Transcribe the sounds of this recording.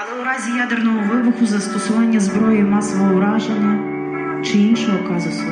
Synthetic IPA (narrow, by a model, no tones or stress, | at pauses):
ɐlˠɛʊɾɑzʲijad̪ernɔɦɔʋɪbʊxʊzɐst̪ɔsɔʋɑnʲːɐzbɾɔjimɑsɔʋɔɦʊɾɑʒenʲːɐ | t͡ʃɪinʃɔjɔkɑzʊsʲɐ